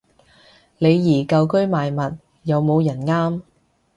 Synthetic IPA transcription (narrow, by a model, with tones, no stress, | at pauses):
le˨˧jːiː˨˩kɐ˧wkɵ˥ɥmaː˨jmɐ˨t̚ | jɐ˨˧wmo˨˧wjɐ˨˩nŋaː˥m